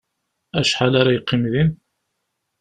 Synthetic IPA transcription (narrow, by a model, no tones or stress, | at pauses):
æʃħalaɾajəqːɪmðin